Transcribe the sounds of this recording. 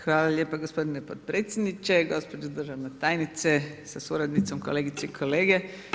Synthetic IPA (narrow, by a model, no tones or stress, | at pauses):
xʋaːlaʎʲeːpaɡospo̞d̪inepot̪̚pɾeːt̪sʲjed̪nit͡ʃeɡo̞spod͡ʒed̪r̩ʒaʋnet̪ajnit̪sesasuɾad̪nit̪so̞mkoleɡit̪seikʰo̞leːɡe